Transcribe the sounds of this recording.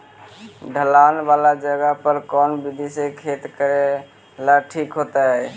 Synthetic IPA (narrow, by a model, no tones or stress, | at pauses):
ɖʱəlanbalad͡ʒəɡapəɾkɔnbid̪ʱisekʰet̪kəɾe | laʈʰikɦot̪əɦɛ